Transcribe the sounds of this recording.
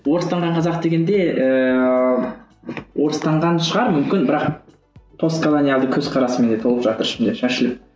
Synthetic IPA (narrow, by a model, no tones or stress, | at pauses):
woɾəst̪ɑɴʁɑɴqʰɑzɑq̚d̪e̞ɡʲe̞nd̪e̞ʔə | wo̞ɾəst̪ɑɴʁɑnʃəʁɑɾmʏmkʲɪnbɪɾɑq | t̪ʰo̞skʰolˠonʲijalˠd̪əkʲʰɵzqʰɑɾɑsəme̞nd̪et̪ʰo̞lˠəpʒɑt̪əɾɪʃɪmd̪e̞ʃæʃɪlɪp̚